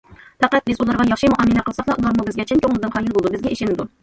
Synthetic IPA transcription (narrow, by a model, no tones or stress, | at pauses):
fæqæt̪̚bɪzulˠɑɾʁɑjɑχʃimuʔɑmːɨlɛqʰəlˠsɑqlˠɑʔulˠɑɾmubɪzɡʲɛt͡ʃʰenkʰʲoŋlˠɨd̪ɨnqʰɑjɨlˠbolˠd̪ubɪzɡʲɛʔeʃɪnɪd̪u